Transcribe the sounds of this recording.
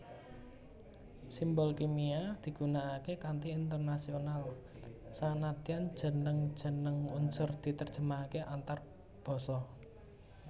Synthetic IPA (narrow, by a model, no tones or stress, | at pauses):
simbɔlkemiad̪̥i̤ɡ̥ṳnaːkekant̪iːnt̪ərnasional | sanat̪ian̥ʒ̥ə̤nəŋ̥ʒ̥ə̤nəŋunsʊrd̪̥i̤t̪ərd̥ʒ̥ə̤makeʔant̪ar | b̥ɔ̤sɔ